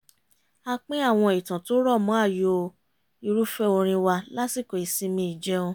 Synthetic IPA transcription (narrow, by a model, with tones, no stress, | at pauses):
a˦˧k͡pĩ˦a˦˨w̃ɔ̃˧i˨tã˨to˦ɾɔ˦˨mɔ̃˨˦a˦˨jo˨˧˨ | i˧ɾu˦fɛ˦o˧ɾ̃ĩ˧wa˧la˦si˦˨ko˨i˨sĩ˧mĩ˧˦i˨d͡ʒɛ˦õ˧